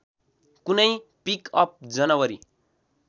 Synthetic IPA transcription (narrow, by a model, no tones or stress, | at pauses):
kunʌjpikʌp̚d͡zʌnʌwʌɾi